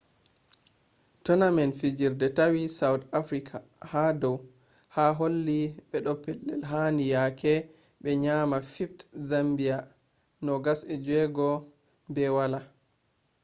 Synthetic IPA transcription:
tɔnamɛnfid͡ʒiɾdɛtawisawtafɾikʰa | hadɔw | haɦolːiɓɛɗɔpːɛlːɛ̰lɦanijakʰɛ | ɓɛɲamafiftzambia | nɔɡasɛd͡ʒwɛɡɔ | bɛwala

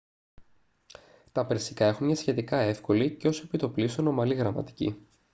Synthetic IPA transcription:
t̪ɐpɾesi̥kɐexunmɲɐsçe̞t̪ikɐe̞fko̞liceo̞sepit̪o̞plisono̞mɐliɣɾɐmɐ̰t̪i̥cḭ

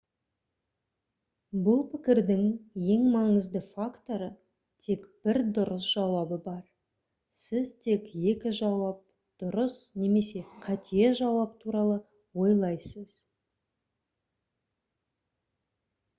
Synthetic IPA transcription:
bʊlˠpʰɪkʲɪɾd̪ɪŋje̞ŋmɑŋəzd̪əfakt̪o̞ɾə | t̪ʰe̞kb̥ɪɾd̪ʊɾəsʒ̥ɑwɑbəbɑɾ | sɪzt̪ʰe̞kje̞kʲɪʒɑwɑp̚ | d̪̥ʊɾəsne̞me̞se̞qʰɑt̪ijeʒɑwɑp̚t̪ʰuɾɑlˠə | wo̞jlˠɑjsəz̥

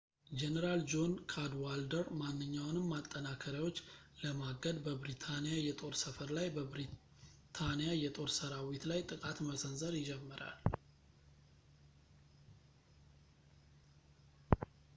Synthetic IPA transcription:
d͡ʒenəɾald͡ʒo̞nkʰad̪wald̪əɾmanːɨɲːawnɨmːat̪ʼːənakʰəɾjawo̞t͡ʃː | ləmaɡəd̪bəbɾit̪ʰanijajɛt̪ʼo̞ɾsəfəɾlajbəɾi | t̪ʰanijajɛt̪ʼo̞ɾsəɾawit̪lajt̪ʼɨkʼat̪məsənzəɾjɪd͡ʒɛmːɨɾa̰l

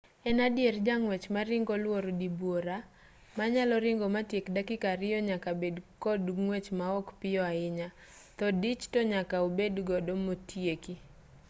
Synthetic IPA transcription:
ɛnadjerd͡ʒaŋwɛt͡ʃmaɾɪŋɡɔlwoɾdibwoɾa | maɲalɔɾɪŋɡɔmatjekdakɪkaɾɪjɔɲakabedkɔdŋwɛt͡ʃmaɔkpɪjɔaɪɲat̪ɔdɪt͡ʃtɔɲakaobedɡɔdomotjeki

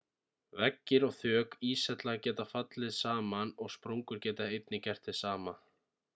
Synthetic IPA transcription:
vɛcːɪɾɔɣθœːkiːsɛt̪laɣcɛːt̪afat̪lɪðsaːmanɔɣspɾoŋkʏɾcɛːt̪aejt̪nɪcɛr̥t̪ɪsaːma

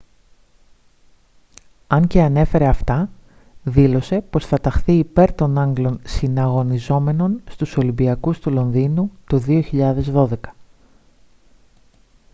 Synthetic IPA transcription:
ɐɲce̞ɐne̞fe̞ɾe̞ɐft̪ɐ | ðilo̞se̞po̞sθɐt̪ɐxθiːpe̞ɾt̪o̞nɐŋɡlo̞nsinɐɣo̞nizo̞me̞no̞nst̪uso̞limbiɐkust̪ulo̞nðinut̪oðio̞çiʎɐðe̞zðo̞ðe̞kɐ̥

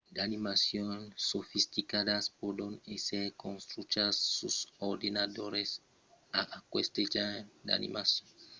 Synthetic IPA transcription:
d̪animasjonsofist̪ikad̪aspod̪õneseɾkõnst̪ɾut͡ʃasːusoɾd̪enad̪oɾes | aʔkwest̪ed͡ʒaɾd̪a̰nḭmasjõn

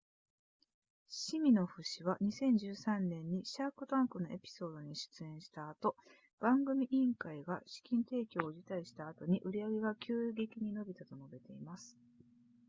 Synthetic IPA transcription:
ɕimʲino̞ɸɯ̟ɕiβaɲ̟isẽ̞ɲ̟d͡ʑɨːsãnːẽ̞ɲ̟ːiɕakɯ̟t̪ãŋkɯ̟no̞ʔe̞pʲi̥so̞ːd̪o̞ɲ̟iɕɨ̥t͡sɨẽ̞ɰ̃ɕi̥t̪aːt̪o̞ | b̥ãŋɡɯ̟mʲiʔĩŋkaiɡaɕi̥kʲĩnt̪e̞ːkʲo̞ːʑit̪aiɕi̥t̪aːt̪o̞ɲ̟iʔɯ̟ɾʲijaɡe̞ɡakʲʰɨːɡe̞kʲiɲ̟ino̞bʲit̪at̪o̞no̞be̞t̪e̞imasɨ̥

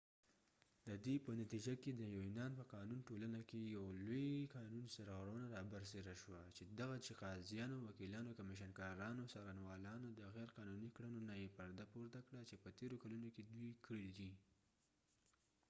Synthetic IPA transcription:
d̪əd̪epənat̪id͡ʒaked̪əjawinɑnpəqɑnunʈolanakejawlojqɑnunsaɾɣaɾawənaɾɑbaɾseɾaʃwat͡ʃed̪aɣat͡ʃɪqɑzjɑnowakilɑnokamiʃ̬ənkɑɾɑnosɑɾanwɑlɑnod̪əɣɛɾqɑnunikɽənonajepaɾd̪apoɾt̪akɽat͡ʃepət̪eɾokalunoked̪wujkɽild̪i

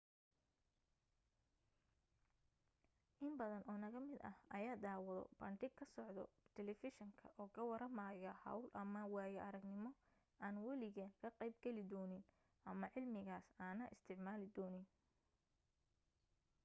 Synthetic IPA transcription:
ʔɪmbɐðɐnʔɔːnɐɣɐmɪd̪ɐhɐjaːd̪aːwɐðɔ̰bɐɳɖɪɡʰɐsɔʕd̪ɔ̰t̪ʰɛlɛfɪʃɐŋkʰɐʔɔːkʰɐwɐɾɐmaːjɐhɐ̰wlʔɐmɐwaːjɐʔɐɾɐɡnɪmɔ | ʔaːnwɐlɪɣɛːnkʰɐqɛjbɡɛlɪd̪ɔːnɪn | ʔɐmɐʕɪlmɪɣaːsaːnɐʔɪst̪ʰɪʕmaːlɪd̪ɔːnɪn

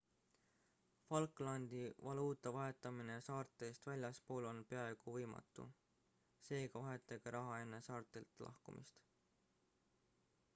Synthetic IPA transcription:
fɑlkːˑlɑnd̪ivɑluːt̪ːˑɑvɑɦe̞t̪ːˑɑminesɑːrt̪ˑːeːst̪vælʲjɑspo̞ːlo̞npe̞ɑeɡ̥uvɤjmɑ̰t̪ːˑṵ | se̞ːɡ̥ɑvɑɦe̞t̪ːˑɑɡeɾɑɦɑe̞nːe̞sɑːrt̪ˑilt̪lʔɑ̰hkumḭst̪

